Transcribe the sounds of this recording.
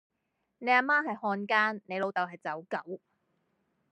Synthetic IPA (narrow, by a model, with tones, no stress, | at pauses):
ne˨˧jaː˨˧maː˥ɦɐ˨jhɔː˧nkaː˥nne˨˧jlo˨˧wt̪ɐ˨wɦɐ˨jt͡sɐ˨˥wkɐ˨˥w